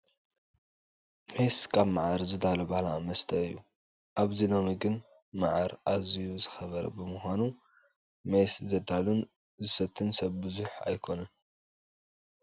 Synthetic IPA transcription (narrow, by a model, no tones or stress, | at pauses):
meskʰaβmaʕaɾzɨd̪alɐbahlamɐst̪ʰɐɨjːu | ʔaβzilo̞miɡɨn | maʕaɾʔazijuzɨxɐβɐɾɐ̰bɨmuxʷanu | meszɐd̪alun | zɨsɐt̪ʰːɨnsɐβbɨzuħa̰jkʰo̞nɐn